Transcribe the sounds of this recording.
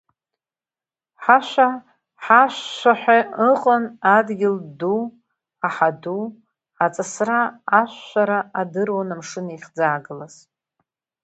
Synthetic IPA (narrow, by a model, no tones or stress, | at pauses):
ħaʃʷa | ħaʃːʷaħʷᶣaɨqʼənadɡʲɪldu | aħadu | at͡sʼasraːʃʷʃʷaɾaadɨrwanamʂɨnaiχd͡zaːɡɨlaz